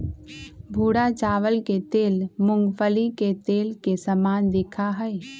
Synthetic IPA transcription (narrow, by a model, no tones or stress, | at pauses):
bʱuːɽat͡ʃaːʋəlket̪eːlmʊŋɡpʰəliket̪eːlkesəmaːnd̪ɪkʰaɦəe